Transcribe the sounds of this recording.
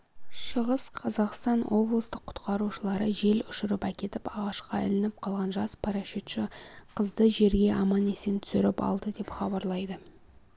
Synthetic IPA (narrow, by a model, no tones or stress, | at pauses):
ʃəʁəsqʰɑzɑqst̪ɑnwʔo̞blˠəst̪əqʰːʊ̥t̪qɑɾuʃəlˠɑɾəʒe̞lʏʃɪɾɪpækʲe̞t̪ɪpɑʁɑʃqɑʏ̰lɪnɪp̚qʰɑlˠʁɑnʒɑspʰɑɾɑʃit̪ʃɪqʰəzd̪əʒe̞ɾɡʲe̞ʔɑmɑnesent̪ʰʏ̥sɪɾɪpɑ̰lˠd̪əd̪e̞pχɑbɑɾlˠɑjd̪ə